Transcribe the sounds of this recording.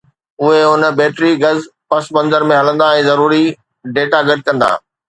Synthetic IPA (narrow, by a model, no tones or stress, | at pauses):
ʊɦeʊnbeːʈɾiɡɐzpɐsbɐ̃nzəɾmẽɦɐlə̃nd̪aɛ̃ːzɐɾuːɾi | ɖeːʈaɡɐɖ̚kɐ̃nd̪a̰ː